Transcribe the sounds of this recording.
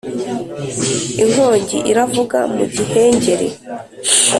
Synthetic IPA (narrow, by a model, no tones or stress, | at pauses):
iŋhoːɲɟḭʔiɾavuɡa̰mṵɟihe̞ːɲɟe̞ɾḛ